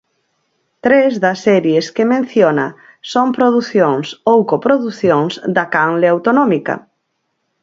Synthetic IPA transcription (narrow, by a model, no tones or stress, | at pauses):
t̪ɾezðɐsːɛɾjeskemẽn̟θjonɐ̰ | sompɾoðuθjoŋsowkopɾoðuθjõŋzd̪ɐkaŋleawt̪onɔmikɐ̰